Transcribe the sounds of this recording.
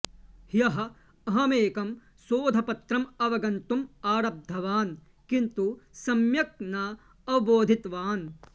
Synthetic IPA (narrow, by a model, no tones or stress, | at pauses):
hjɐɦɐ̆ | ɐɦɐmeːkɐm | soːd̪ʱɐpɐt̪ɾɐmɐʋɐɡɐnt̪umaːɾɐb̚d̪ʱːɐʋaːn | kint̪usɐmjɐk̚naː | ɐʋɐboːd̪ʱit̪ʋaːn